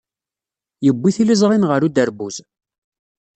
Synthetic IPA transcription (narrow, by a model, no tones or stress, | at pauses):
jəbːiθilizˤɾˤinʁəɾud̪əɾbuz